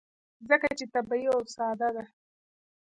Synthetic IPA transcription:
zəkat͡ʃet̪abaiosɑd̪ad̪a

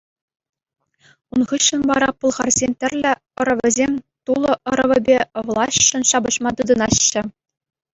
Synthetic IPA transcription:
unʁɯɕːɤ̆nʋɑɾɑpulˠʁɑrzʲemʲt̪ʲɘ̆rʲlʲɘ̆ | ɤ̆ɾɤ̆ʋʲɘ̆zʲemʲ | t̪ulˠɤ̆ʔɤ̆ɾɤ̆ʋʲɘ̆bʲĕʋlˠɑɕɕɤ̆nɕɑbɤ̆ɕmɑt̪ɯd̪ɤ̆nɑɕːɘ̆

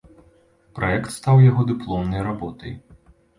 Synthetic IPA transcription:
pɾaɛkt̪st̪awjaɣɔd̪ɨplˠɔmnɐjrabɔt̪ɐ̰j

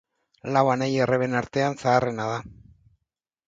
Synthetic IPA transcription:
lawanejereβenaɾt̪e̞ansaːre̞nað̞a

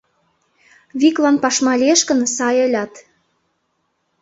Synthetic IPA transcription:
βiklɑnpɑʃmɑlʲeʃkə̆nsɑjə̆lʲɑt̪

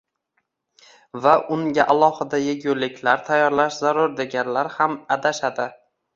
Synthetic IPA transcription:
vaʔʊŋɡʲaʔalˠɒhɪd̪ajeɡʲʊlːɪkʲʰlaɾt̪ʰajːɒɾlaʃzaɾʊɾd̪e̞ɡʲanlaɾhamad̪aʃad̪ɪ

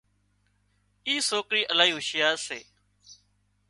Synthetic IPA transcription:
iːsoːkɾiːʔəlaːiːɦʊʃɪjaːseː

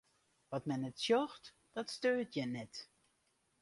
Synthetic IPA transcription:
ʋɔtmɛnɛtsjɔxt | d̥ɔtstøːtjɛnɛt

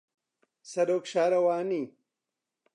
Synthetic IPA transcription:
sɐdoːkɕaːɾɐwaːni

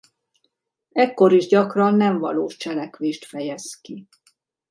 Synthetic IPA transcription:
ɛkːo̞ɾiʒɟɒkrɒnːɛɱvɒ̰loːʃt͡ʃɛlɛkʋeːʃt̪fɛjɛski

